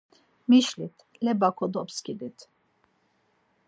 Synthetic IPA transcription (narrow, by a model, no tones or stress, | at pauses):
miʃlit̪ʰlɛbakʰɔd̪ɔpskid̪it̪ʰ